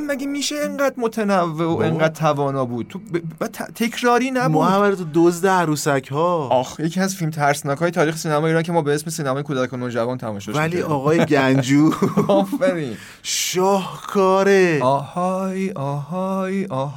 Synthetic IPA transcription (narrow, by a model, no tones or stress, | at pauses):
mæɟemiːʃeeŋɢæːd̪mot̪ʰenævːe̞oʔeŋɢæːd̪̚t̪ʰævɒːnɒːbuːd̪̥̚t̪ʰobebæd̪t̪ʰt̪ʰe̞cʰɾɒːɾiːnæbmuoavæɾet̪ʰud̪ozd̪eæɾuːsæcʰhɒːɒxje̞cʰiæzfilmt̪ʰæɾsnɒːkʰɒːjet̪ʰɒːɾiːxesiːnæmɒːeiːɾɒːncʰe̞mɒːbeesme̞siːnæmɒːjekʰoːd̪ækʰonod͡ʒævɔnt̪ʰæmɔ̰mʃɒvʃæliɒːɣɒːjeɟænd͡ʒuːɒːfæɾiːn | ʃɒːhkʰɒːɾeɒːhɒjʔɒːɦɒɒːh